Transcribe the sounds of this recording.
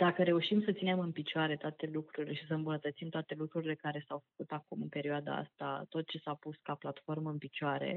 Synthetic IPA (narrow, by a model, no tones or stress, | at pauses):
d̪̥akəɾe̞uʃimsət̪sine̞mɨnpit͡ʃoaɾe̞t̪oat̪e̞lukɾuɾile̞ʃisəɨmbunət̪ət̪simt̪oat̪e̞lukɾuɾile̞kaɾe̞sawfə̥kut̪akumɨnpe̞ɾioad̪a̰a̰st̪a̰t̪o̞t̪̚t͡ʃe̞sapuskaplat̪fo̞rməɨnpit͡ʃoaɾe̞̰